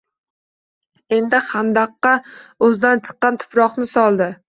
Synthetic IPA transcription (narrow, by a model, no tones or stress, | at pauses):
e̞nd̪ɪχand̪ɑqːɑɵzd̪ant͡ʃʰɨ̥qːɑnt̪ʰʊ̥pɾɒχnɪsɒlˠd̪ɪ